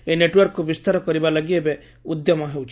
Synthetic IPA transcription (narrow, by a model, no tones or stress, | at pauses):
eneʈwɔɾkːubist̪aɾɔkɔɾibalaɡiebe | ud̪jɔmɔɦewt͡ʃʰ